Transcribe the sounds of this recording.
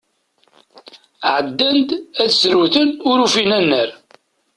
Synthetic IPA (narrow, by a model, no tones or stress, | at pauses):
ʕəd̪ːænd̪æðsɾuθənʊɾufinænːəɾ